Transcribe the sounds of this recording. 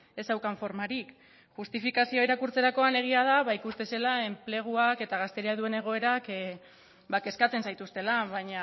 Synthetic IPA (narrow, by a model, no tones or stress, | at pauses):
e̞sawkaɱfo̞ɾmaɾik | ʝust̪ifikasio̞iɾakuɾt͡se̞ɾako̞ane̞ɣ̞iað̞aβaikust̪e̞se̞lae̞mple̞ɣ̞uake̞t̪aɣ̞ast̪e̞ɾiaðue̞ne̞ɣ̞o̞e̞ɾak | bake̞skat͡se̞nsajt̪ust̪e̞laβaɲa